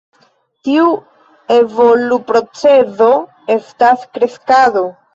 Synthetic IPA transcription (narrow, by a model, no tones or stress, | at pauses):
tiu | e̞vo̞lupɾo̞t͡se̞zo̞ | e̞staskɾe̞skado̞